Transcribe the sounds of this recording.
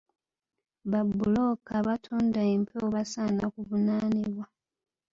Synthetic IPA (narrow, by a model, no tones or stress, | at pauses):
βabːulokaβatʰuːndaempʰoβasanakuvunaːniβwa